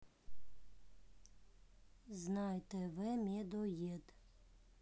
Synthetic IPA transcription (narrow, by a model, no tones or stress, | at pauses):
znɑjt̪ɛʋɪmʲid̪ɔjed̪